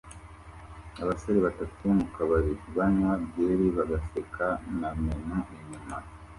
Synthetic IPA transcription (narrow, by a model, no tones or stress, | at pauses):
aβasaɾeβatatumukaβaɾiβanwabɟeːɾiβaɡasekʰanamenuʔiɲuma